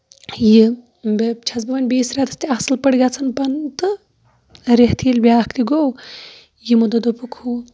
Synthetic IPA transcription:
ji | bet͡ʃʰɐt͡sbɐʋɐnʲbiːsɾaːt̪ʰɐ̥st̪iɐsɨlpəɽɡat͡sʰɐnpɐnt̪ɨ | ɾeɦt̪ʰilbʲjaːkʰt̪iɡow | jimud̪ɐd̪opukʰu

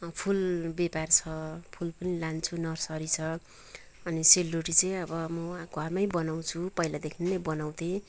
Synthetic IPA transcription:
pʰulbepart͡sʰʌpʰulpʌnilant͡sʰunʌrsʌɾit͡sʰʌ | ʌniselːoʈit͡sʌ̃j̃ʌbʌmʌɡʱʌrmʌj̃bʌnaw̃t͡sʰupʌilad̪ekʰinnʌjbʌnaw̃t̪ʰẽ

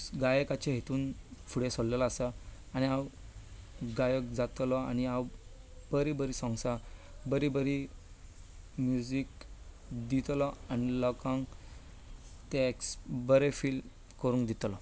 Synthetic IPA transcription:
ɡajəkat͡ɕeɦet̪uːnfʰuɽesollelːsə | añiaw | ɡajəkd͡zat̪lɔañiaw | b̥əɾibəɾisɔ̃ŋɡsa | bəɾibəɾi | mjud͡zik | d̪it̪lɔanilɔkãŋ | t̪eksbəɾefil | kəɾuːŋnkd̪it̪lɔ

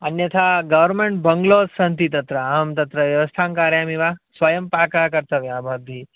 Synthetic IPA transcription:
ɐnjɐt̪ʰaːɡɐʋəɾmeɳʈ̚bɐŋɡloːsɐnt̪it̪ɐt̪ɾɐmt̪ɐt̪ɾɐʋjɐʋɐst̪ʰaːŋkaːɾjaːmiʋasʋɐjɐmpaːkakɐɾt̪ɐʋjaːbʱaːd̪ʱi

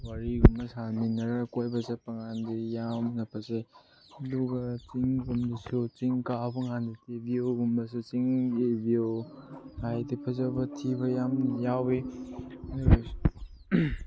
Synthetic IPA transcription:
waɾiɡumbɐsaminɐɾakojbɐsapɐŋandijamnɐpʰɐsaj | luɡat͡ʃiŋɡumdisut͡ʃiŋkapɐŋanditibioɡumbɐsut͡ʃiŋebio | hajdipʰɐzabɐtʰiβɐjamjawe | nb

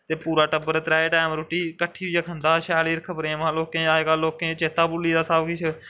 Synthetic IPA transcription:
t̪eːpuːɾaːʈəbəɾt̪ɾaːeːʈaːmɾʊʈiːkəʈʰːiːəkʰənd̪aːʃɛːliːɾkʰəpɾeːmãːloːkẽːaːkaːlːoːkẽːt͡ʃeːt̪aːbʊlːiːd̪aːsaːbkɪt͡ʃʰ

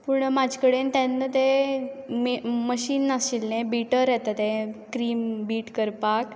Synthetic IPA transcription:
puɳmad͡ʑʱkəɽent̪anːət̪e | mməɕiːnːasilnẽbiʈəɾjɛt̪at̪ekɾiːmbiːʈkəɾpak

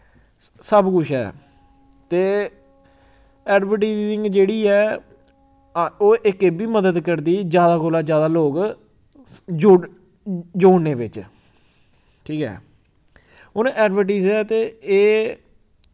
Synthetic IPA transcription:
səbkʊt͡ʃʰɛ̰ː | t̪eː | ɛːɖʋəɾʈaɪzɪ̃ŋɡd͡ʒeːɽiːɛː | oːʔɪkebiːməd̪əd̪kəɾd̪iːd͡ʒjaːd̪aːkoːlaːd͡ʒjaːd̪aːloːk | d͡ʒo | d͡ʒoːnːeːʋɪt͡ʃ | ʈʰiːkɛ̰ː | ʊnɛːɖʋəɾʈ̬aizɛːt̪eːeː

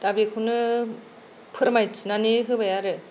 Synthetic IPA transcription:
tabikʰunɯ | pʰɯɾamajt͡sʰɯnaniɦɯbajaɾɯ

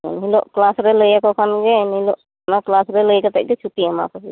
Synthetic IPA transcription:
ɛ̰nɦilɔʔklasɾɛləjakɔkʰanɡɛnhiloʔ | naklasɾɛləjkat̪aʔ̚t̪ɛt͡ʃʰuʈiama̰kɔsi

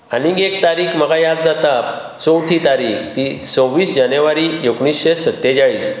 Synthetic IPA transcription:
aniɡekt̪aɾiːkʰm̤əɡajad̪̚d͡zat̪a | t͡sowt̪ʰit̪aɾikt̪isõwʋiːsd͡ʑanəʋaɾiekɳisɕesət̪ːed͡ʑaɭiːs

